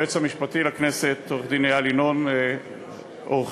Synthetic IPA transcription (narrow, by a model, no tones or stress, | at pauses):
et͡shamiʃpat̪ilakneset̪oʁd̪inealinon | oχ